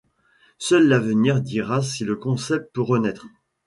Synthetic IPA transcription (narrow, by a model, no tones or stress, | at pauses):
sœlːavəniʁd̪iʁasiləkɔ̃sɛp̚t̪̚pøʁənɛt̪χ